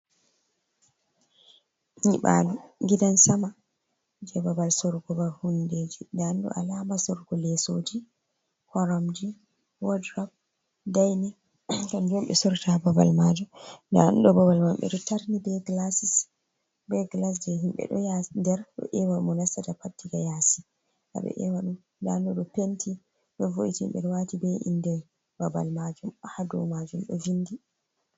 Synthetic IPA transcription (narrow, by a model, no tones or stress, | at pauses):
ɲiɓa̰luɡidansama | d͡ʒɛbabalsɔɾɡɔbaɾhunded͡ʒidanɗɔ̰ʔa̰lamasɔɾɡɔlɛsod͡ʒi | hɔɾɔmd͡ʒi | wɔdɾɔb̚ | dajni | kamd͡ʒɔmɓɛ̰sɔɾtababa̰lmad͡ʒɔndaɗɔbabalmamɓɛ̰ɗɔtaɾnibɛɡlasis | bɛɡlas̬d͡ʒɛɦimɓɛ̰ɗɔjadɛɾɗɔ̰ʔɛwamɔnasadapatːiɡajasi | ʔa̰bɛ̰ʔɛ̰waɗum | ndandɔɗɔpentʰi | ɗɔvoʔitiḭmɓɛ̰ɾɛwatibɛʔḭndɛ | baba̰lmad͡ʒumhadumad͡ʒumɗɔ̰vindi